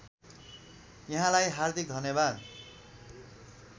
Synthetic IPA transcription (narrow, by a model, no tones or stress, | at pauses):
jʌɦãlajɦard̪ʱik̚d̪ʱʌnjʌbad̪